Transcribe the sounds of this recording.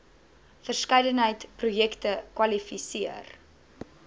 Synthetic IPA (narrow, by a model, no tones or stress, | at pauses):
fərskɐjdənɦəjtprujɛktəkwɐlifisiər